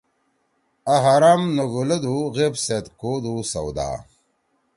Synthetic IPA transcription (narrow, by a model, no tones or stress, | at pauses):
aɦaɾaːmnɐɡulɐd̪uɣepset̪koːd̪usɐwd̪a̰ː